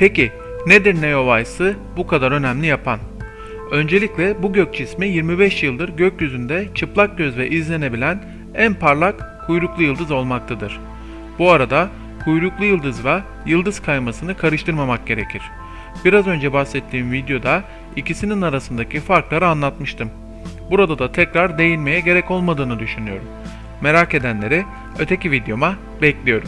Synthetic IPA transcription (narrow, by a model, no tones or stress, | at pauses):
pʰeci | ned̪iɾnejo̞vajsɯ | bukʰad̪aɾø̞næmlʲijapʰan | ø̞nd͡ʒe̞lʲiclʲɛbuɟøc̚t͡ʃʰismijiɾmibɛʃjɯlˠd̪ɯɾɟøcjyzynd̪ɛt͡ʃʰɯplˠak̚ɟ̥ʲøzvɛʔizlʲe̞ne̞bilʲæn | ænpʰaɾlˠakʰːujɾuklˠujɯlˠd̪ɯzo̞lˠmak̚t̪ʰad̪ɯɾ̝̥ | b̥uaɾad̪a | kʰujɾuklˠujɯlˠd̪ɯzva | jɯlˠd̪ɯz̥kʰajmasɯnɯkʰaɾɯʃt̪ʰɯɾmamak̚ɟe̞ɾe̞̰cʰiɾ̥ | b̥iɾazø̞nd͡ʒɛbahsɛt̪ʰːiːmvid̪jo̞d̪a | icisininaɾasɯnd̪acʰifaɾklˠaɾɯanlˠat̪mɯʃt̪ʰɯm | buɾad̪ad̪at̪ʰɛcɾaɾd̪e̞jilʲme̞jɛɟe̞ɾɛco̞lˠmad̪ɯːnɯd̪yʃynyjo̞ɾumː | e̞ɾake̞d̪ænlʲe̞ɾi | øt̪ʰe̞cʰivid̪jo̞ma | bɛclʲijo̞ɾu